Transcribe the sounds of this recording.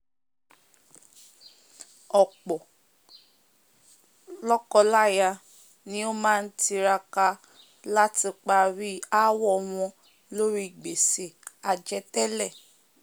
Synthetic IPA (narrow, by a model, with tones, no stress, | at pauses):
ɔ˨k͡pɔ˨ | lɔ˦kɔ˧la˦ja˧ | nĩ˦o˦mãː˦n̩˦ti˧ɾa˧ka˧ | la˦ti˧k͡pa˧ɾi˦a˦wɔ˦˧w̃ɔ̃˧ | lo˦ɾi˦i˨ɡ͡be˨se˨a˨d͡ʒɛ˧tɛ˦lɛ˦˨